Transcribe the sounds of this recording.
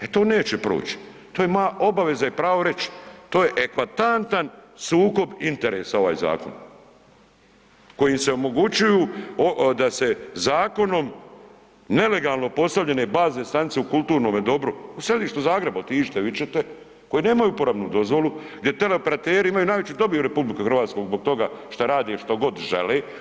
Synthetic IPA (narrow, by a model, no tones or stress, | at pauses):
et̪o̞ːne̞ːt͡ɕepɾo̰ːt͡ɕi̥ | t̪oːjemao̞baʋe̞zaipɾaːʋo̞ɾe̞t͡ɕt̪o̞ːje̞ʔekʋat̪ant̪ansuːko̞bint̪e̞ɾeːsao̞ʋa̰ːjza̰ːkon | ko̞jimse̞o̞mo̞ɡut͡ɕujuːod̪ase̞zaːko̞no̞m | ne̞le̞ɡaːlˠno̞po̞st̪aʋʎe̞ne̞baːznest̪anit̪seukulˠt̪uːɾno̞ːmjed̪o̞bɾuusɾed̪iːʃt̪uzaːɡɾe̞baot̪iːʃt̪eʋit͡ʃet̪e | ko̞jine̞ːmajuːpoɾamnud̪o̞zʋo̞lu | ɡd̪jet̪eleopeɾat̪eːɾiimajunaːjʋet͡ɕud̪o̞bijuɾe̞publikuxɾr̩ɾʋaːt̪sko̞ɡzbo̞ɡ̚t̪o̞ɡaʃt̪aɾaːd̪eʃt̪o̞ɡo̞d̪ʒḛleː